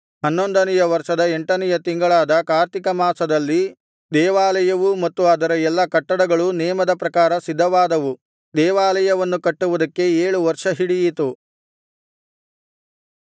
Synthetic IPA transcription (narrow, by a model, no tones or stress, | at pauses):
ɦɐnːo̞nd̪ɐnɛjɐʋɐɾʂɐd̪ɐeɳʈɐnɛjɐt̪iŋɡɐɭaːd̪ɐkaːɾt̪ikɐmaːsɐd̪ɐlːi | d̪ɛːʋaːlɐjɐʋumɐt̪ːuaːd̪ɐɾɐɛlːɐkɐʈːɐɽɐɡɐɭunɛːmɐd̪ɐpɾɐkaːɾɐsid̪ʱːɐʋaːd̪ɐʋu | d̪ɛːʋaːlɐjɐʋɐnːukɐʈːuʋud̪ɐkːe̞eːɭuʋɐɾʂɐɦiɽijit̪u